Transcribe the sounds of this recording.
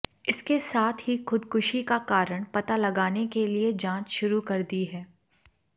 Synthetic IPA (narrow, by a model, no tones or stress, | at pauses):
ɪskesaːt̪ʰɦixʊd̪kʊʃikakaːɾəɽ̃pɐt̪alɐɡaːnekelied͡ʒãːt͡ʃʃʊɾukɐɾd̪iɦɛː